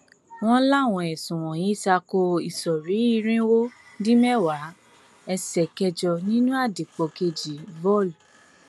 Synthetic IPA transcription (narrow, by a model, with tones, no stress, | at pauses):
w̃ɔ̃˦la˦˨w̃ɔ̃˧ɛ˨sũ˨w̃ɔ̃˨jĩ˨˦i˦˨sa˧ko˧i˨sɔ˨ɾi˨˦i˦˧ɾ̃ĩ˦wo˦ | dĩ˦mɛ˦˨wa˨˦ | ɛ˧sɛ˨kɛ˧d͡ʒɔ˧nĩ˦nũ˦a˦˨de˨k͡pɔ˨ke˧d͡ʒi˨vɔ˦˨lu˨